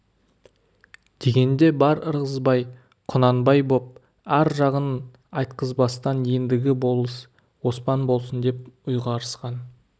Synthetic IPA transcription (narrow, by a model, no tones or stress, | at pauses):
d̪̥e̞ɡʲe̞nd̪e̞bɑɾəɾʁəzbɑj | qʰʊnɑnbɑjbo̞p̚ | æɾʒɑʁən | ɑjt̪̚qəzbɑst̪ɑnje̞nd̪ɪɡʲɪbo̞lˠəs | wo̞spɑnbo̞lˠsənd̪e̞pʊjʁɑɾəsqɑn